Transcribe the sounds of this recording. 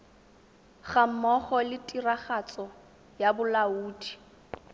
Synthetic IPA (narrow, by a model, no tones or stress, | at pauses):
χam̩mɔχɔlɪtʼiraχat͡sʼɔ | jabʊlauːdi̥